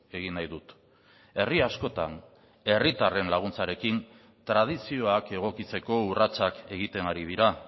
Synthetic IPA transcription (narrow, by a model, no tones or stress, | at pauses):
e̞ɣ̞inajðut̪ | e̞riasko̞t̪a̰n | e̞rit̪are̞nlaɣ̞unt͡saɾe̞kin | t̪ɾað̞isio̞ake̞ɣ̞o̞kit͡se̞ko̞urat͡sake̞ɣ̞it̪e̞naɾið̞iɾa